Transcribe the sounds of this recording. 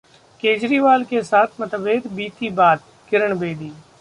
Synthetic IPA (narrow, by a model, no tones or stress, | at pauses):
keːd͡ʒɾiːʋaːlkesaːt̪ʰmɐt̪əʋeːt̪biːt̪ibaːt̪̚ | kɪɾəɳbeːd̪iː